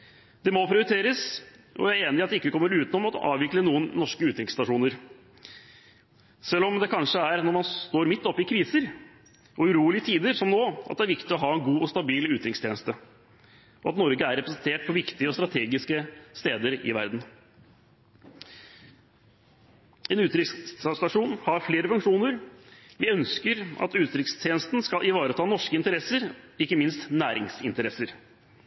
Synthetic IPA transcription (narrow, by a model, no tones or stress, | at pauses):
d̪ɛmɔpʰɾɪʊɾɪt̪ʰeːɾəs | ʔɔ̰æɾeːnɪɑt̪d̪ɛɪkːəkʰɔmːəɾʉːt̪ənɔmɑt̪ʔɑ̰ːʋʋɪklənuːənːɔʂkəʉːt̪ɾɪŋst̪ɑʂuːnəɾ | sɛlːɔmd̪ɛkʰɑnʂəæɾnɔɾmɑnt̪oːɾmɪt̪ːɔpːɪkʰɾiːsəɾ | ʔɔʉɾuːlɪət̪ʰiːd̪əɾsɔmnoːɑ̰t̪̚d̪ɛæɾʋɪkt̪ɪɔɦɑːɛnɡuːɔst̪ɑbiːlʉːt̪ɾɪŋst̪ʰɛːnəst̪ə | ʔɔɑt̪nɔɾɡəæɾɛpɾəsɛnt̪ʰeːʈ̚pʰɔʋɪkt̪ɪəɔst̪ɾɑt̪ʰeːɡɪskəst̪eːd̪əɾɪ̰ʋæ̰ɾd̪n̩ | ɛnʉːt̪ɾɪksst̪ɑʂuːnhɑɾfleːɾəfʉŋkʂuːnəɾʋɪœnskəɾɑ̰t̪ʉːt̪ɾɪkst̪ʰjeːnəst̪n̩skɑlʔɪʋɑːɾət̪ʰɑːnɔʂkəɪnt̪əɾɛsəɾɪkːəmɪnst̪næːɾɪŋsɪnt̪əɾɛsəɾ